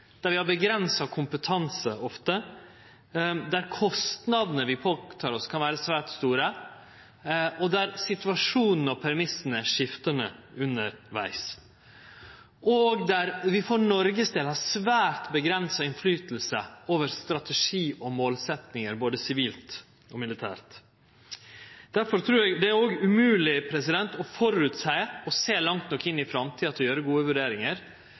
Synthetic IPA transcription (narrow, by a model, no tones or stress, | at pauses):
d̪̥æɾʋɪhɑɾbəɡɾɛnsɑkʰʊmpət̪ʰɑnsəɔft̪ə | d̪æɾkʰɔst̪nɑd̪nəʋɪpʰoːt̪ʰɑːɾɔskʰɑnʋæːɾəsʋæːʈst̪uːɾə | ʔɔd̪æɾsɪt̪ʉɑʂuːnn̩ɔpʰæɾmɪsːn̩əʂɪft̪ənəʉnːəɾʋæ̰ɪs | ʔɔɡd̪æɾʋɪfɔɳɔɾɡəsd̪eːlhɑɾsʋæːɾt̪bəɡɾɛnsɑɪnflyːt̪l̩sə̰oːʋəɾst̪ɾɑt̪əʂiːʔɔmoːlsɛt̪nɪŋəɾboːd̪əsɪʋiːlt̪ | ɔmɪlɪt̪ʰæːɾt̪ | d̪̥æɾfɔɾt̪ʰɾʉːɾɛɡd̪ɛæɾoːɡʉmʉːlɪpʰɾɛs̬ɪd̪ɛnt̪ɔfɔɾʉt̪sæɪɔseːlɑŋt̪nɔkːɪnːɪfɾɑmt̪ʰiːɑt̪ʰljøːɾəɡuːəʋʉɖeːɾɪŋəɾ